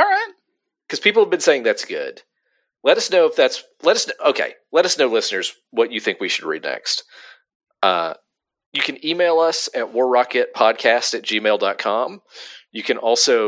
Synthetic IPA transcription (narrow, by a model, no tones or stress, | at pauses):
ɑɹaɪt̚ | kʰʌz̥pipl̩ˠəvbɨ̃nseɪɪ̃ŋðætsɡ̥ʊ̰d̥ | lɛɾʌsnoʊəfðæts | lɛɾʌsnoʊoʊkʰḛɪ | lɛɾʌsnoʊlɪsnə˞z | wʌt͡ʃɨθɪ̃ŋkwiʃɨd̚ɹḭdⁿnɛ̰kst̚ | ʌ̰ | jɨkʰɨ̃nimeɪlˠʌsɨt̚wɔɹɹɑkɨt̚pʰɑd̚kʰæstɨt̚d̥ʒ̥imeɪlˠdɑt̚kʰɑ̃mjɨkʰɨ̃nʔɔlˠsoʊ